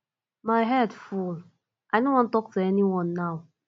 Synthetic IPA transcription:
maɪɦɛdful | ʔajdõnwɔ̃ntɔk̚tuɛniwɔ̃nːaʊ

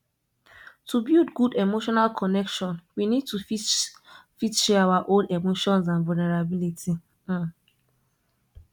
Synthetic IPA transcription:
tubildɡudemoʃɔnalkʰɔnɛkʃɔ̃nwinid̚tuf | fitʃiawaʔoldemoʃɔ̃nzãnvulneɾabilitʰi

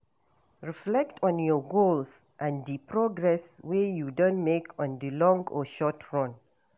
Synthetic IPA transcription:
ɹiflɛk̚tʰɔ̃njɔɡols | ʔãndipʰɹɔɡɹɛswejudõntmekʰɔ̃ndilɔ̃ŋɡɔ̰ʃɔtʰɹɔ̃n

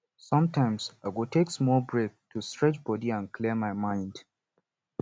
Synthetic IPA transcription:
sɔ̃mtãɪ̃msaɡotʰeksmɔbɹek̚tʰustɹɛt͡ʃbɔdiãnkʰliəmaɪmãɪ̃nd

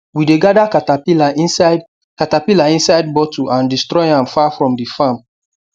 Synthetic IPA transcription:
wideɡadakatailasd | katapilaĩnsaɪd̚bɔtuʔãndistɹɔjãmfafɹɔ̃mdifãm

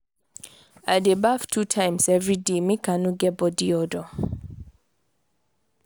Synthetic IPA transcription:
adɛbaftʰutʰãjmsɛvɹidemikanuɡɛbɔdiɔdɔ

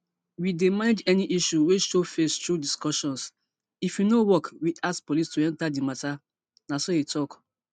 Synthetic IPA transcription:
widemaned͡ʒɛniʔiʃuweʃofestɾudiskɔʃɔ̃ns | ifwinowɔkwiʔaskpolistuɛ̃ntadimata | nasoetʰɔk

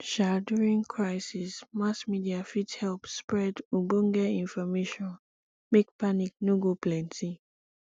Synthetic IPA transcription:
ʃaduɹĩŋkʰɹajsismasmidiafithɛlpspɹɛduɡ͡bõŋ̩ɡɛĩnfɔmeʃɔ̃n | mekpanik̚nũɡoplɛ̃ntʰi

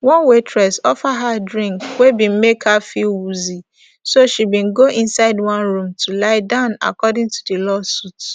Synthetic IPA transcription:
wɔ̃nwetʰɹɛsɔfaɦadɹĩŋkwebĩn̩mekhafiwuzi | soʃibĩnɡoʔĩnsaɪdwɔ̃nɹũmtʰulaɪdãʊ̃na̰kɔdɪ̃ŋtu̥delɔsut

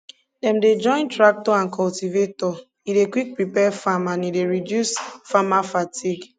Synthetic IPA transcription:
dɛ̃mded͡ʒɔ̃ɪ̃ntɹak̚tɔãnkʰɔltivetɔ | idekwik̚pɹipɛfamãnideɹidjusfamafatʰiɡ

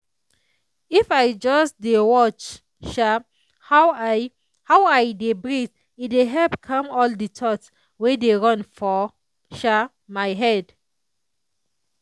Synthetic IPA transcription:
ifajd͡ʒɔsdewɔt͡ʃ | ʃa | ha | hawajdebɹit | ideɦɛlpkʰãmɔlditʰɔt | wedeɹɔ̃nfɔ | ʃa | majɦɛd

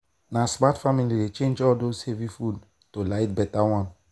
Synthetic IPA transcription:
nasmatfamilidet͡ʃẽnd͡ʒɔldozhevifud | tolaɪt̚bɛtawɔ̃n

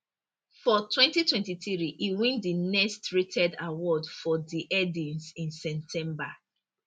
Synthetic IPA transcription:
fɔtʰwɛ̃ntitwɛ̃ntiθɹiʔiwĩndinɛstɹitʰɛda̰wɔdfɔdiʔɛdĩnsĩnsɛmtʰɛ̃mba

